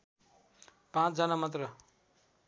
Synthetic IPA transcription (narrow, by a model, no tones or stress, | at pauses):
pãt͡sʰd͡zʌnamʌt̪rʌ